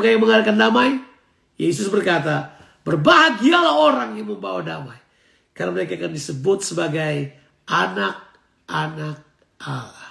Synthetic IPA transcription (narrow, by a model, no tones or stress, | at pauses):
kajaŋməŋadakandamaj | jes̬ʊsbərkat̪a | bərbaɦaɡialahoɾaŋjaŋməmbawadamaj | karnaməɾekaːkandisəbʊt̪̚səbaɡaj | ʔanak̚ | ʔanak̚ | alah